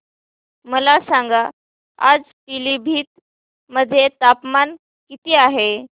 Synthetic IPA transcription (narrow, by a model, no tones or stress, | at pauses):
məlasaŋɡa | a̰d͡z | pilibʱiːt̪̚ | məd̪ʱːjet̪apman | kit̪iaɦe